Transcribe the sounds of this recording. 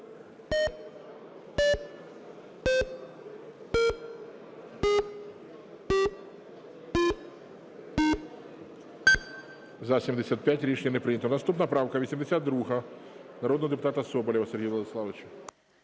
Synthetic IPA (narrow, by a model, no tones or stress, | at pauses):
zɐsʲimd̪esʲat̪̚pʲjatʲɾʲit͡ʃɲʲɐnɛpɾɪnʲɐt̪ɔnɐst̪upnɐpɾɑwkɐʋʲisʲimd̪esʲad̪̚d̪ɾuɦɐ | nɐɾɔd̪nɔd̪epʊt̪ɑt̪ɐsɔbɔlʲiʋɐsɛɾrɦʲijʋlˠɐd̪ɪslˠɑʋɪt͡ʃʊ